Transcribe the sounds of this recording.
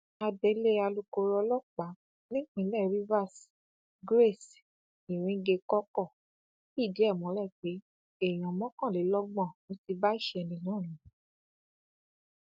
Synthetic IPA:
a˧de˧le˦a˧lu˧ko˧ɾɔ˧lɔ˦k͡pa˨˦ | nĩ˦k͡pĩ˧˦lɛ˦˨ɾi˦va˦˨s | ɡɾe˦˨s | i˨ɾ̃ĩ˦ɡe˧kɔ˦kɔ˦˨ | ki˦˨di˨˦ɛ˦˨mɔ̃˨˦ɾɛ˦˨k͡pe˨˦ | e˦˨j̃ɔ̃˨mɔ̃˦kã˦˨le˨˦lɔ˦ɡ͡bɔ̃˦˨nĩ˨˦si˧ba˦i˦˨ʃe˧ɛ˧nĩ˧nãː˦˨lũ˨˦

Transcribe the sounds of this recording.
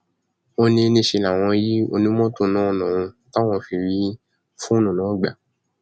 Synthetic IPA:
o˧nĩ˧nĩ˧˦ʃe˧la˨w̃ɔ̃˧ji˦o̰˧nĩ˦mɔ̃˦to˦˧˨nãː˦˧˨nɔ̃˨ũ˧˨ta˦w̃ɔ̃˧fi˧˨ɾi˨˦ | fũ˦o˦nũ˦˨ã˨˦˨ɡ͡ba̰˨

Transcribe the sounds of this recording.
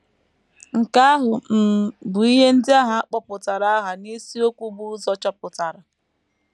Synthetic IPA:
ŋ̩˨ka˦a˦ɦʊ˨m̩˨bʊ˨i˦ɦe˦n̩˦dɪ˦a˦ɦa˦a˦k͡pɔ˦pʊ˨ta˨ɾa˦a˦ɦa˨ni˦si˦o˦kʷu˦bu˦zɔ˦t͡ʃɔ˦pʊ˨ta˨ɾa˨

